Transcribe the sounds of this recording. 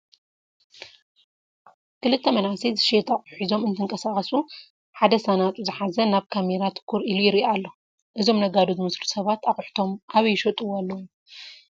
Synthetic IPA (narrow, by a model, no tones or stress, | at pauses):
kʰɨlɨt̪ʰːɐmɐnasizɨʃet̪ʰaχʼħizo̞mɨnt̪ʰɨŋkʼɐsaχʼɐsu | ħad̪ɐsanat̪ʼuzɨħazɐnaβkʰameɾat̪ʰɨ̥kʰːuɾilujɪɾʔialːo̞ | ʔɨzo̞mnɐɡad̪ozɨmɨslusɐβat̪aχʼħt̪ʰo̞mʔaβjːʃɐt̪ʼuwalːɐw